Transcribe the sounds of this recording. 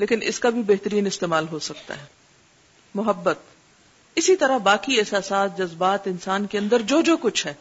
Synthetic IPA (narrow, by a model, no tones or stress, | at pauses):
leːkɪnʔɪ̰skabʱibɛɦt̪əɾiːnɪst̪eːmaːlɦosɐk̚t̪a̰ɦɛː | mʊɦəbːət̪̚ | ɪsit̪ɐɾabaːkiɛɦsaːsaːt̪̚d͡ʒɐzbaːt̪ɪnsaːnkeɐ̃nd̪əɾd͡ʒoːd͡ʒoːkʊt͡ʃʰɦɛː